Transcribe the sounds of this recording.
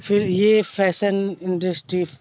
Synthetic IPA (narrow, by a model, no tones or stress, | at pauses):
fʰɪɾjepʰɛːsənɪ̃ɳɖəsʈɾi